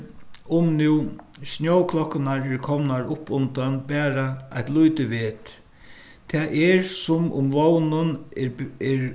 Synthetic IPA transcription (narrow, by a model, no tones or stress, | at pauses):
ʊmnuw | snjowkʰlɔkːɪnaɹɛɾkʰɔmnaɹʊpːʊnt̪anbɛːɾaa̰ht̪lujt̪ɪʋeːt̪ | t̪ʰɛʔɛɹsʊmʊ̰mʋownʊn | ɛɾ